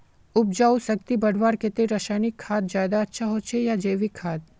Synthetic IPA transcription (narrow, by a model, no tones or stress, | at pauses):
ʊp̚d͡ʒaːusək̚t̪ibɐɽ̤ʋaːɾket̪eɾəʃaːnɪkʰːaːd̪̚d͡ʒaːjd̪aɐtːʃʰaɦot͡ʃʰejad͡ʒeːʋikʰːaːt̪̚